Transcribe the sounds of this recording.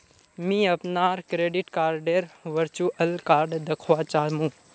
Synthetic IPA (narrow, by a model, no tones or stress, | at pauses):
mĩːəpnaːɾkɾeːɖɪʈkaːɾɖeːɾʋəɾt͡ʃuːʔəlkaːɾɖd̪ɐkʰʋaːt͡ʃaːmũ